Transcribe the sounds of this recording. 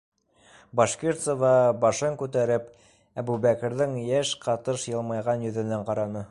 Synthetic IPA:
bɑʃkʲiɾt̪sovɑbɑʃɤŋkʉt̪æɾɘp | æbubækɘ̆ɾðɘŋjæʃqɑt̪ɤʃjɤ̆lˠmɑjʁɑnjɵ̆ðɘ̆næɴqɑɾɑnɤ

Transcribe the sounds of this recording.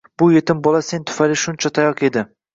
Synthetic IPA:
b̥ʊje̞t̪ɪmbɒlasent̪ʰʊ̥falɪʃʊnt͡ʃʰat̪ʰajɒqe̞d̪ɪ

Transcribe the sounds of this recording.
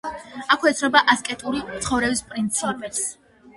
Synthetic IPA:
akʰwɛt̪sʰɾɔbaʔaskʼɛt̪ʼuɾit̪sʰχɔvɾɛbispʼɾint̪sʰapʼɛls

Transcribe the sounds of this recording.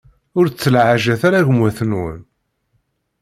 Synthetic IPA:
ʊɾt͡sːəlʕaʒæθaɾaʝəmwæθnwə̰n

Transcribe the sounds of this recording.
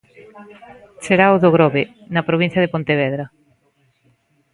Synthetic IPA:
seɾawðoɣɾɔβe | nɐpɾoβin̟θjɐðɪpont̪eβɛðɾɐ

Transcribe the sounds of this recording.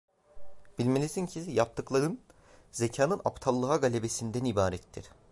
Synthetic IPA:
b̥ilʲmenʲisincʰijap̚t̪ʰɯklˠaɾɯn | zecʰaːnɯna̰pt̪ʰalˠːɯɦaɡalʲebe̞sind̪ænibaːɾɛt̪ʰːiɾ̥

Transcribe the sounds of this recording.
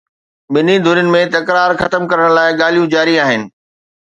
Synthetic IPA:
ɓɪnid̪ʱʊɾjʊnɪ̆mẽt̪ɐkɾaːɾxɐt̪əmkɐɾəɽ̃laːɪɠaːlijũd͡ʑaːɾiaːɦɪnɪ̆

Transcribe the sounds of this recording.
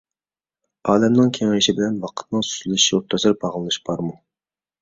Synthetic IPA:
ɑːlɛmnɨŋkʲʰeŋɪɾɪʃibɪlɛnwɑqʰə̥t̪nɨŋsy̥zlyʃioɾt̪ʰɑzɨɾbɑʁlˠɨnɨʃbɑɾmu

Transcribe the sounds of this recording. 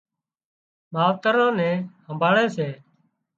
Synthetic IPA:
maːʋt̪əɾãːnɛ̃ːhəmbʱaːɭeːseː

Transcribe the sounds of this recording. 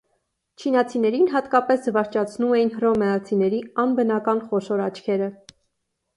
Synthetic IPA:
t͡ʃʰinɑt͡sʰinɛɾinɦɑt̪kɑpɛszəvɑɾt͡ʃʰɑt͡sʰnumɛjinɦrɔmɛɑt͡sʰinɛɾiɑnbənɑkɑnχɔʃɔɾɑt͡ʃʰkʰɛɾə

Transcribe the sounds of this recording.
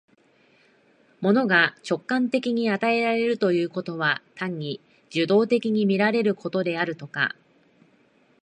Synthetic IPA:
mo̞no̞ɡat͡ɕo̞kːãnt̪e̞kʲiɲ̟iat̪ae̞ɾaɾe̞ɾɯ̟t̪o̞jɯ̟ːko̞t̪o̞βat̪ãɲ̟ːi | d͡ʑɨd̪o̞ːt̪e̞kʲiɲ̟imʲiɾaɾe̞ɾɯ̟ko̞t̪o̞d̪e̞aɾɯ̟t̪o̞ka̰

